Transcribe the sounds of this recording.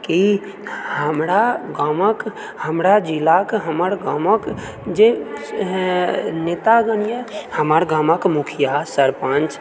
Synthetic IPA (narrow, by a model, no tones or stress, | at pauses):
ki | həmɾaɡamək | həmɾad͡ʒilakɦəməɾɡamək | d͡ʒe | net̪aɡənijəhəməɾɡãməkmukʰijasəɾpãnt͡ʃ